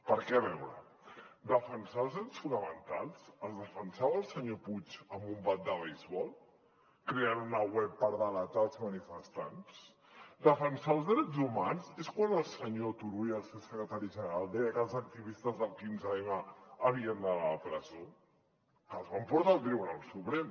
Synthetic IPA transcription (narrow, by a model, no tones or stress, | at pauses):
pəɾkɛβɛwɾə̰ | d̪əfənsalˠzðɾɛsfunəmənt̪a̰lˠsəlˠzðəfənsaβəːlˠsəɲoput͡ʃəmbumbat̪̚d̪əβejzβɔlˠ | kɾeanunəwɛpːəɾðələt̪alˠzmənifəst̪a̰ns | d̪əfənsaːlˠzðɾɛzumanzeskwanəlˠsəɲot̪uɾuiəlˠsewsəkɾət̪aɾiʒənəɾalˠd̪ɛjəkəlˠzək̚t̪iβist̪əzðəlˠkinzaemaəβ̞iənd̪ələpɾəzo | kəlˠzβampuɾt̪aːlˠt̪ɾiβunalˠsupɾɛm